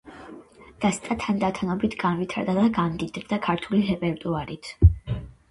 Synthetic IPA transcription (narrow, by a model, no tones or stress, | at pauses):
d̪̥ast̪ʼat̪ʰand̪at̪ʰanɔbit̪ʰɡanvit̪ʰaɾd̪ad̪aɡamd̪id̪d̪akʰaɾt̪ʰuliɾɛpʼɛɾt̪ʼuaɾit̪ʰ